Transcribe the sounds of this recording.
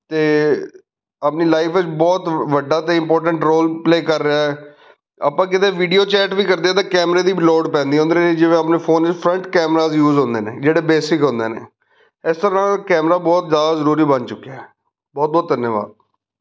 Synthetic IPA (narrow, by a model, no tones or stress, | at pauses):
t̪eː | əpniːlaːɪfʰɪt͡ʃbɔːt̪ʋəɖaːt̪eːɪ̃mpɔːɾʈ̬əɳʈɾoːlpleːkəɾːəaːɛː | a̰pãːkɪt̪eːʋiːɖijoːt͡ʃɛːʈbiːkəɾd̪eɛːt̪̬ãːkɛːmɾeːd̪iːbloːɖpɛ̃ːnd̪iːɦõnd̪ened͡ʒɪʋẽːəpneːpʰoːnɪt͡ʃpʰɾəɳʈkɛːmɾaːzjuːzɦõnd̪eːnḛːd͡ʒeːɽeːbeːsɪkɦõnd̪eːnḛː | ɪst̪əɾːãːkɛːmɾaːbɔːt̪zjaːd̪aːzəɾuːɾiːbənt͡ʃʊkːeaɦɛː | bɔːt̪̚bɔːt̪̚d̪ənjəʋa̰ːd̪̚